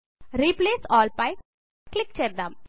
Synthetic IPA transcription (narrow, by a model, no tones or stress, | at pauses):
ɾiːpleːsɔːlpaɪ | klɪk̚t͡ʃeːɾd̪ãm